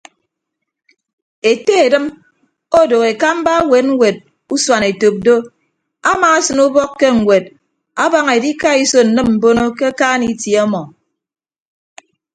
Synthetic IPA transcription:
e˨te˦e˨dɨ˦m | o˦do˨ɣe˨ka˦m̩˦ba˦we˨˦t̚ŋ̩˦wʷe˨t̚ | u˦swa˨ne˨to˨p̚do˦ | a˦maː˨a˦sɨ˨nu˦bɔ˦kːe˦ŋ̩˨ɡʷwe˨d̚ | a˦ba˦ŋe˨di˦ka˦i˦so˦n̩˨nɨ˦mm̩˨bo˦no˦ke˦kaː˦ni˦tje˨˦ɔ˦mɔ˨

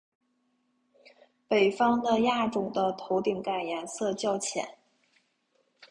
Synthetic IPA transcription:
pe˨˩ɪfɑ˥ŋd̪ə˧ja˥˩ʈ͡ʂʊ˨˩ŋd̪ə˦t̪ʰo˧˥ʊt̪i˨˩ŋka˨˩ɪjɛ˧˥nsɤ˥˧t͡ɕjɑ˥˧ʊt͡ɕʰjɛ̰˨˩˦n

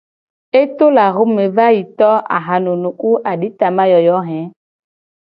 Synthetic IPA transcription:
e˦t̪o˦la˨ɣo˦me˨va˦ji˨t̪ɔ˦ʔa̰˨ɦa˨no˨nũ˨ku˦ʔa˨ɖi˦t̪a˨ma˦jɔ˨jɔ˨˦ɦɛ̃˨˦

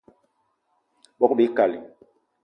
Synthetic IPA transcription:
ɓɔ˦ku˦ɓe˨˦ka˨li˨

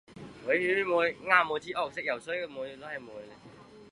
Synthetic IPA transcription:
wo˨˥jy˧˥˧mu˨˧jŋaː˧moː˨˧jt͡ɕʰiː˨˥ʔɔː˨˩k̚sɪ˥k̚jɐ˨˩wsə˥jkə˧˩mu˨˧jlɔ˧˦˥hɐ˨˩jmuː˨˧jle˧

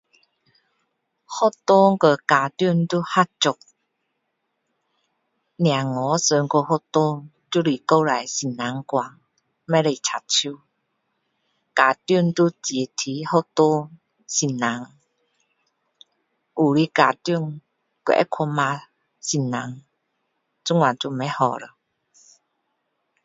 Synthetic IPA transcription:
hɔ˦˥t̪o˦ŋkə˧kaː˨˩t̪ju˥˧˨ŋt̪u˦ha˦t̚t͡sʊ˨˩k̚ | nj̃ã˨˩ŋɔ˨˦sə˧ŋko˧hɔ˦t̪o˦ | t͡ɕu˦li˨ko˧la˨jsi˨˩nna˨˦ŋkwa˨˩ŋ | mɛ˦le˧˨t͡sʰa˨t̚t͡ɕʰju˦ | ka˨t̪ju˥˧˩nt̪u˦t͡ɕje˨˩t̪ʰi˨˦ho˥˦˧t̪o˦ | si˨˩nna˨˦ŋ | ʔu˨li˦ka˨t̪ju˥˧˨ŋ | kḛ˧ʔɛ̰˦kʰɔ˧ma˧ | si˨˩nːa˨˦ŋ | t͡su˦ŋã˨t͡ɕu˧mɛ˧˦hɔ˨ɾə˨

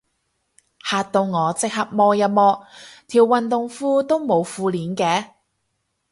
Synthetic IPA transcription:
haː˨˧t̚t̪o˧wŋɔː˨˧t͡sɪ˨k̚hɐ˨p̚mɔː˧jɐ˨mɔː˧t̪ʰiː˨˩wːɐ˨nt̪ʊ˨ŋfuː˥t̪o˥wmo˨˧wfuː˧liː˨˥nkɛː˧˥

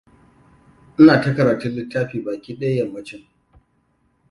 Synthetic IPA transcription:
ʔɪ˦naː˨tɐ˦kɐ˨ɾaː˨tʊ˦nlɪ˦tːaː˦ɸiː˨baː˨kʲiː˦ɗɐ˦ja˦jɐ˨mːɐ˦t͡ʃɪ˦ŋ

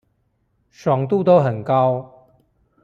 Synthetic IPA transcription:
ʂwɑ˨˩ŋt̪u˥˨t̪o˦ʊɦə˨˩nkɑ˦ʊ

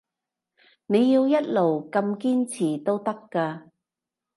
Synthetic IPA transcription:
ne˨˧jːiː˧wjɐ˥t̚lo˨˩wkɐ˧mkiː˥nt͡sʰiː˨˩t̪o˥wt̪ɐ˥kːaː˧

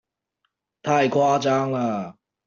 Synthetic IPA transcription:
t̪ʰa˥˧ɪkʰwa˥ʈ͡ʂa˦˥ŋla˨˩

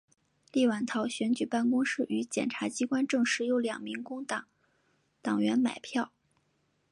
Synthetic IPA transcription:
li˥˩wa˨˩nt̪ʰɑ˧˥ʊɕɥɛ˧˥nt͡ɕy˨˩pa˥˩nkʊ˥ŋʂɻ̩˥˩ʔy˧˥t͡ɕjɛ̰˨˩nʈ͡ʂʰa˧˥t͡ɕi˥kwa˥nʈ͡ʂɤ˥˧ŋʂɻ̩˥˩jo˧˥ʊljɑ̰˨˩ŋmi˧˥ŋkʊ˥ŋ˨˩ | t̪ɑ˨˩ŋɥɛ˧˥nma̰˨˩ɪpʰjɑ˥˩ʊ

